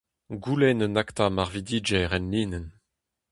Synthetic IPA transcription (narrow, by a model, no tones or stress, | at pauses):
ɡulɛnənakt̪amaʁvid̪iːd͡ʒɛʁɛnliːnɛn